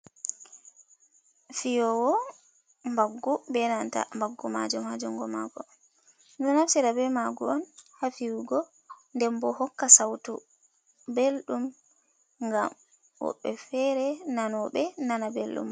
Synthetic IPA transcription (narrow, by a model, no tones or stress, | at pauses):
fijɔwɔ | mbaɡːubɛnanta̰mbaɡːuma̰d͡ʒumhad͡ʒɔŋɡɔma̰ɡɔ | ɔnaft͡ʃɛɾabɛmaɡuɔnhafiwuɡɔ | ndɛmbɔhɔkːasawtṵ | belɗum | ŋɡa̰m | wɔ̰ɓːɛfɛɾɛnanɔɓɛnanabelɗṵm